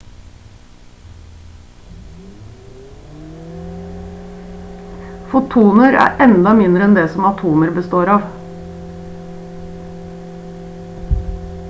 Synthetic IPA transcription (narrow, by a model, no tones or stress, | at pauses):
fʊt̪ʰuːnəɾæ̰ːʔɛnd̪ɑmɪnd̪ɾəɛnd̪eːsɔmɑt̪ʰuːməɾbəst̪oːɾɑːʋ